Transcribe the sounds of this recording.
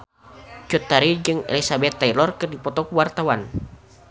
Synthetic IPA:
t͡ʃut̪ːaɾid͡ʒɨŋḛlisabɛt̪ːailɔrkɨrdipɔt̪ɔkuwart̪awan

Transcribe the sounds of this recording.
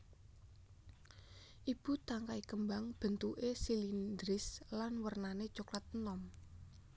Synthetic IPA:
ʔib̥ṳt̪aŋkaikəmbaŋb̥ə̤nt̪uʔesilind̪ɾɪslanwərnane̥t͡ʃoklat̪̚ənɔm

